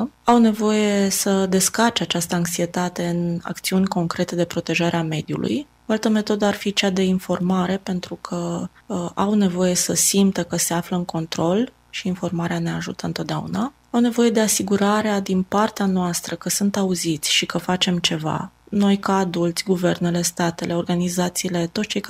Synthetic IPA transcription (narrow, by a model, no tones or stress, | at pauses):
awne̞vo̞je̞səd̪e̞skart͡ʃeat͡ʃast̪əaŋksie̞t̪at̪e̞ɨna̰kt̪siunʲko̞ŋkɾe̞t̪e̞d̪e̞pɾo̞t̪e̞ʒaɾeame̞d̪jṵlʔṵj | oalt̪əme̞t̪o̞d̪əarfit͡ʃead̪e̞info̞rmaɾe̞pe̞nt̪ɾukʰə | awne̞vo̞je̞səsimt̪əkəse̞afləɨŋkʰo̞nt̪ɾo̞l | ʃiːnfo̞rmaɾeane̞aʒṵt̪əɨnt̪ot̪d̪ʲea̰ṵna | awne̞vo̞je̞d̪e̞asiɡuɾaɾead̪inpart̪eanoast̪ɾəkəsunt̪auzit̪sʲʃikəfat͡ʃe̞mt͡ʃe̞va̰no̞jkaad̪ult̪sʲɡuve̞rne̞le̞st̪at̪elʔe̞o̞rɡanizat̪siːle̞t̪ot̪sʲt͡ʃej